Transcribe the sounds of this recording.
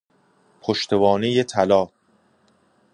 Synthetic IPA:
pʰoʃt̪ʰe̞bɒːnejet̪ʰælɒː

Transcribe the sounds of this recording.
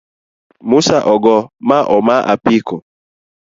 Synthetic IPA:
musaʔɔɡɔmaʔɔmaʔa̰piko

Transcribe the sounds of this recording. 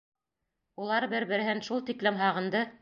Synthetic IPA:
ulˠɑɾbɘɾbɘ̆ɾɘ̆ɦɘnʃulˠt̪iklɘmɦɑʁɤ̆nd̪ɤ

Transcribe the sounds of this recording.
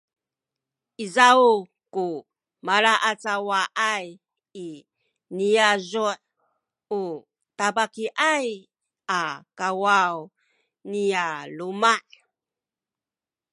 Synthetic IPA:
ʔizau | ku | malaʔat͡sawaʔaj | i | nijazuħ | u | tabakiʔaj | ʔakawaw | nijalumaʔ

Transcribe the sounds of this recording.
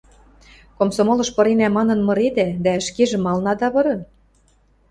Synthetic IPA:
komsomolɤ̆ʃpɤ̆ɾenæmɑnɤ̆nmɤ̆ɾed̪æd̪æə̆ʃkeʒĕmɑlnɑd̪ɑβɤ̆ɾɤ̆n

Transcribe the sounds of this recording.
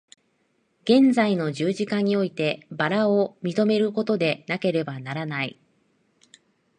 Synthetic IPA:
ɡ̥ẽ̞nd͡zaino̞ʑɨːʑikaɲ̟io̞it̪e̞baɾaomʲit̪o̞me̞ɾɯ̟ko̞t̪o̞d̪e̞nake̞ɾe̞banaɾanai

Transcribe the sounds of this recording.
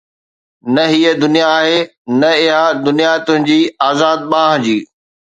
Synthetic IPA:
nɐɦiəd̪ʊnijaːɦeːnɐɪɦãd̪ʊnijat̪ʊ̃ɦɪ̃n̆d͡ʑiːaːzaːd̪̚ɓãːɦd͡ʑiː

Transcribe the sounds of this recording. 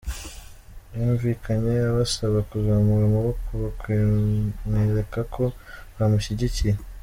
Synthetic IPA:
juːɱviːkʰaɲe̞aβasaβakuzaːmuɾamuβokʰuβakwimŋeːɾe̞kakʰo̞βamuʃiɟicije

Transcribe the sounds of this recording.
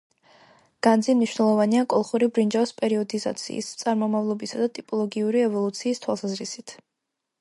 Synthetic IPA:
ɡ̥and̪zimniʃwnɛlˠɔvaniakʼɔlˠχuɾibɾind͡ʒavspʼɛɾiɔd̪iza̰t̪sʰḭːst̪sʼaɾmɔmavlˠɔbisad̪at̪ʼipʼɔlˠɔɡiuɾiɛvɔlˠut̪sʰiːst̪ʰwa̰lˠsazɾisit̪ʰ

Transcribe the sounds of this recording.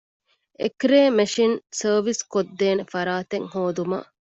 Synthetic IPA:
ḛkɾeːmeʃinsəːʋiskod̪ːeːnefɐɾaːt̪eŋhoːd̪umɐ̰

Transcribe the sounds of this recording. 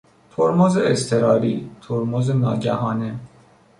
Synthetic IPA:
t̪ʰoɾmozeːst̪ʰe̞ɾɒːɾiːt̪ʰoɾmozenɒ̰ːɟæhɒːne

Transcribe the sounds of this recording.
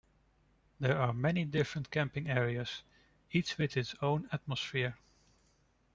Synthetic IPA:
ðə˞aɹmɛnidɪfɹə̃ntkʰæ̃mpɪ̃ŋɛɹiəz̥ | it͡ʃwɪðɨtsõʊ̃næt̚məsfɪɹ

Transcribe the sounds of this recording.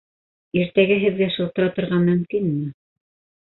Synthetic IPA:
iɾt̪æɡæɦɘ̆ðɡæʃɤ̆lˠt̪ɤ̆ɾɑt̪ŏɾʁɑmɵ̆mkinmɘ

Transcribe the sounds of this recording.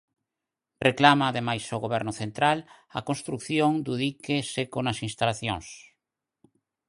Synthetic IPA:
reklamaːðemajsoɣoβɛɾnʊθent̪ɾal | ɐ̰kõnst̪ɾukθjoŋd̪uðikesekonɐsinst̪alaθjõŋs

